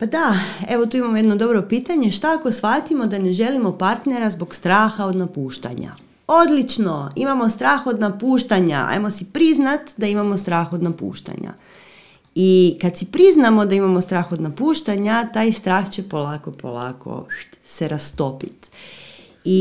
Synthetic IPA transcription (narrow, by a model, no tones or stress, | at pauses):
pad̪ae̞ʋo̞t̪uːimamojed̪no̞d̪o̞bɾo̞piːt̪aɲeʃt̪aako̞sxat̪imo̞d̪ane̞ʒe̞limo̞paɾt̪ne̞ɾazbo̞ɡst̪ɾaːxao̞d̪napuːʃt̪a̰ɲa̰ | od̪lit͡ʃno̞imamost̪ɾaːxo̞d̪napuːʃt̪aɲa̰a̰jmo̞sipɾiznat̪d̪aimamo̞st̪ɾaːxo̞d̪napṵːʃt̪a̰ɲa̰ | ikad̪sipɾiznamo̞d̪aimamo̞st̪ɾaːxo̞d̪napuːʃt̪aɲat̪aːjst̪ɾaːxt͡ɕe̞polaːko̞po̞̰la̰ːkʰo̞̰ | seɾast̪o̞pit̪ | i